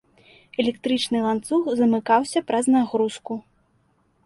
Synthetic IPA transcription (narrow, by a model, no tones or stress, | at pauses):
ɛlʲɛk̚t̪ɾɨt͡ʂnɨlˠant̪suxzɐmɨkawsʲɐpɾɐznaɣɾusku